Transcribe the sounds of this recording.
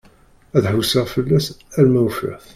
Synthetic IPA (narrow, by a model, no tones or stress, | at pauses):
æðħusəʁfəlːæsæɾmæwfɾæ̰θ